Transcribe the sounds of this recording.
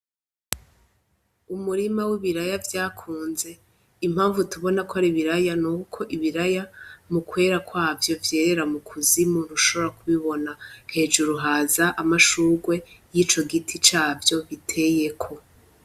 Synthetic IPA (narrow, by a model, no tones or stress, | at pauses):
umuɾimawiβiɾajavjaːkʰuːnze̞ | im̥haːɱvutuβo̞nakoaɾiβiɾajanuːkʰo̞ʔiβiɾajamukwe̞ːɾakwaːvjo̞vje̞ːɾe̞ɾamukʰuzimunuʃo̞βo̞ɾakʰuβiβo̞nahe̞ːd͡ʒuɾuɦaːzaʔamaʃuːɡwe̞jiːt͡ʃo̞ɡitʰit͡ʃaːvjo̞βitʰe̞ːje̞kʰo̞